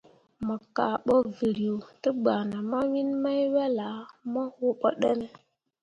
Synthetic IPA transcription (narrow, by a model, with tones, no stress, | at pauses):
mə˨ka̰˨ɓo˦vi˨ɾi˨o˨tə˦ɡ͡ba˨na˨ma˦wi˦nma˦jwa˦la˨˦mə˦ho˦ɓə̰˦ɗə˦ne˦